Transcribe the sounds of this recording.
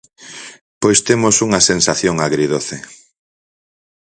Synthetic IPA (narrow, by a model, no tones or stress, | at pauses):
pojst̪emosuŋɐsensaθjoŋaɣɾiðoθe